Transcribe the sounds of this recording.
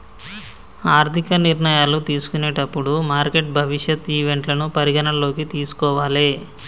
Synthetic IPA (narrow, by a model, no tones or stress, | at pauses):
aːɾt̪ʰikɐniɾɳɐjaːlut̪iːsu̥kuneːʈɐpːuɽumaːɾke̞ʈ̚bʱɐʋiʂjɐt̪ːiːʋe̞ɳʈlɐnupɐɾiɡɐnɐlo̞ːkit̪iːsu̥kɔːʋaːleː